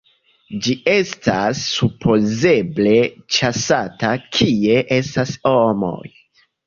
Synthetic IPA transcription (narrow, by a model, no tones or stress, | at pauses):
d͡ʒiʔe̞stasːupʰo̞ze̞ble̞t͡ʃasatakʰie̞ʔe̞stashomo̞̰j